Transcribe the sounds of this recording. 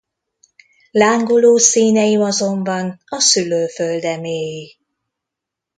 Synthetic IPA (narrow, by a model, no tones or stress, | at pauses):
laːŋɡuloːsiːnɛjiɒzo̞mbɒnɒsyløːføld̪ɛmeːji